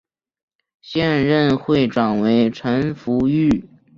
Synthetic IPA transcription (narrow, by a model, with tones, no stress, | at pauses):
ɕjɛ˥˧nɻə˥˧nxwe˥˩ɪʈ͡ʂwa˨˩nwe˧˥ɪʈ͡ʂʰə˧˥nfu˧˥y˥˩